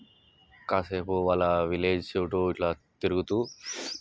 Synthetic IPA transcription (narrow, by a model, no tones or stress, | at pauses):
kaːseːpuʋaːlːɐʋileːd͡ʒsewuʈoːiʈlaːt̪iɾuɡut̪uː